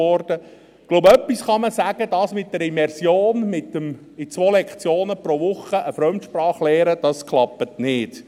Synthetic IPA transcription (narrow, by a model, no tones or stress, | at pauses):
ɔɾd̥ə | ɡ̥loʊbœpːisχɑməsæːɡ̥ədɑsmɪt̚d̥ɛɾimɛɾsjoːnmɪtəm | ɪt͡sʋoːlɛkχt͡sjoːnəpɾoʋʊχəʔəfɾœmtʃpɾɑːχlɛːɾəd̥ɑskʰlˠɑpːətnɪːd